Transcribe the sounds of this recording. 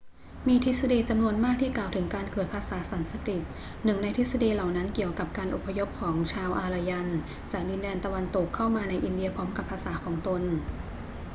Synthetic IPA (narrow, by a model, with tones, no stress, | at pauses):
miː˧t̪ʰi˦˥sa˧diː˧t͡ɕa˧mnu˧ənmaː˥˩k̚t̪ʰiː˥˩klaː˨˩wt̪ʰɯ˩˦ŋkaː˧nkɤː˨˩t̪̚pʰaː˧saː˩˦sa˩˦nsa˧kɾi˨˩t̪̚ | nɯ˨˩ŋna˧jt̪ʰi˦˥t̪̚sa˧diː˧la˨˩wna˦˥nki˨˩əwka˨˩p̚kaː˧nʔo˨˩pʰːa˧jo˦˥p̚kʰɔː˩˦ŋt͡ɕʰaː˧wʔaː˧la˧ja˧n | t͡ɕaː˨˩k̚di˧ndɛː˧nt̪a˧wa˧nt̪o˨˩kʰːa˥˩wmaː˧na˧jʔi˧ndi˧ɐpʰɔː˦˥mka˨˩pʰːaː˧saː˩˦kʰɔː˩˦ŋt̪o˧n